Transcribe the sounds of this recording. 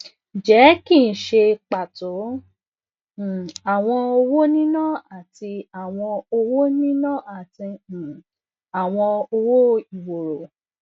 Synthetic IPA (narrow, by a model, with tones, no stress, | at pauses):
d͡ʒɛ˨˦kĩ˦˨ʃe˧k͡pa˨to˨˦˨ | a˨w̃ɔ̃˧o˧wo˦nĩ˦nã˦˨a˦˨ti˧a˨w̃ɔ̃˧o˧wo˦nĩ˦nã˦a˦˨tĩ˧˨ | a˨w̃ɔ̃˧o˧wo˦i˨wo˨ɾo˨